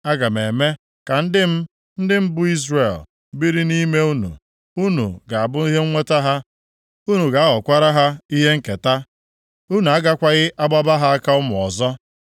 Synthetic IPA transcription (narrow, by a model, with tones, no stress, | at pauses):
a˦ɡa˨me˨me˦ | ka˨n̩˦dɪ˦m̩˦ | n̩˦dɪ˦m̩˦bʊ˦i˦zre˨l | bi˦ɾi˦ni˦me˦u˦nṵ˨ | u˦nṵ˨ɡa˨a˨bʊ˦i˦ɦe˦ŋʷe˦ta˦ɦa˦ | u˦nu˨ɡa˨a˦ɣɔ˨kʷa˦ɾa˦ɦa˦i˦ɦe˦ŋ̩˦ke˨ta˦ | u˦nu˨a˦ɡa˦kʷa˦ɣɪ˦ʔa˦ɡ͡ba˦ba˦ɦa˦a˦ka˦ʊ˦mʊ˨ɔ̰˨zɔ˦